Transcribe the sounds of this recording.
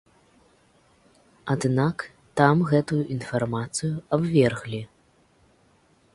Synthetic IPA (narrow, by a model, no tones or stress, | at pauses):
ad̪nak | t̪amɣɛt̪ujuʔinfarmat̪sɨjuabvʲɛrɣlʲi